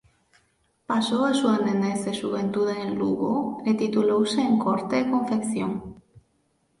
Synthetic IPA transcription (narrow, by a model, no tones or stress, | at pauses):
pasoasuaneneθeʒuβent̪uðeelluɣolet̪it̪ulowseːŋkoɾt̪ekõɱfekθjoŋ